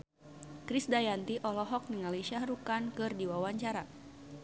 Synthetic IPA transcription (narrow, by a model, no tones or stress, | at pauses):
kɾisdajant̪iʔɔlɔɦɔk̚niŋaliʃahɾukankɨrdiwawaɲt͡ʃaɾa